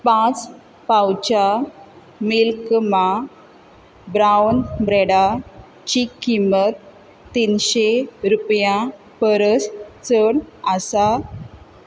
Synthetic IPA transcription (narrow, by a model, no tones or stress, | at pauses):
pãt͡s | pawt͡ɕa | milkma | bɾawnbɾɛɽa | t͡ɕikːimət̪ː | inɕeɾupjã | pəɾəst͡səɽasa